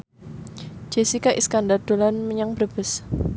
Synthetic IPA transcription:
d͡ʒ̥esikaʔiskandard̪̥o̤lanməɲaŋb̥ɾəb̥əs

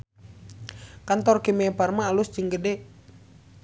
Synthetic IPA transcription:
kant̪ɔrkimeparmaːlusd͡ʒɨŋɡədɛ

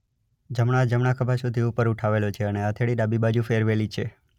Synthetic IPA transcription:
d͡ʒəmɳ̃ad͡ʒəmɳ̃akʰəbʱasud̪ʱiupəɾuʈʰaʋelot͡ʃʰeəneat̪ʰeɭiɗabibad͡ʒufeɾʋelit͡ʃʰe

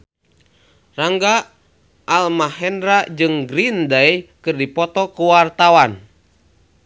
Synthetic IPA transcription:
raŋɡa | ʔːlmahɛndɾad͡ʒɨŋɡɾindaikɨrdipɔt̪ɔkuwart̪awan

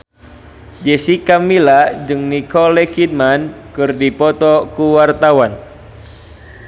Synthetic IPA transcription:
d͡ʒɛsikamilad͡ʒɨŋnikɔlɛkid̚mankɨrdipɔt̪ɔkuwart̪awan

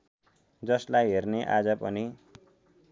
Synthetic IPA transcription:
d͡zʌslajɦerneʔad͡zʌpʌni

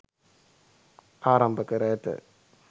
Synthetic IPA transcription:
aːɾɐmbɐkɐɾɐt̪ːɐ̰

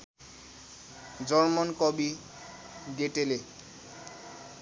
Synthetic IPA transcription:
d͡zɔɹmɔnkɔbi | deʈele

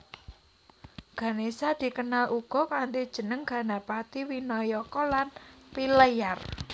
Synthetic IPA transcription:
ɡ̥a̤nesad̪̥i̤kənalʔuɡ̥ɔ̤kant̪id̥ʒ̥ə̤nəŋɡ̥a̤napat̪iwinɔjɔkɔlanpiləjar

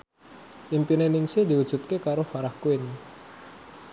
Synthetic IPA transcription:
ʔimpineniŋsed̪iwud̥ʒ̥ṳt̪̚kekaɾofaɾahkuɪn

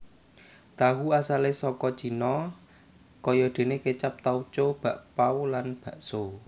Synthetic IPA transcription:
t̪aɦuasalesɔkɔ̥t͡ʃi̤nɔ | kɔjɔd̪̥e̤neket͡ʃap̚t̪awt͡ʃob̥a̤ʔpaolanb̥a̤ʔso

